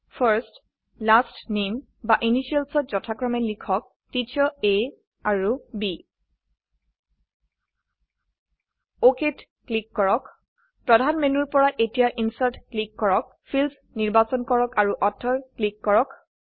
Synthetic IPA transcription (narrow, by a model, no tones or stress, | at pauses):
pʰəɹst | lastnem | baʔiniʃiɛlsɔt̚zɔtʰakɹɔmɛlikʰɔk̚ | titʰɔe | aɹubi | oket | klikːɔɹɔk | pɹɔdʱanmenuɹpɔɹaʔetijaʔinsaɹtklikːɔɹɔk̚ | pʰils | niɹbasɔnkɔɹɔkaɹuʔɔtʰːɔɹklikːɔɹɔk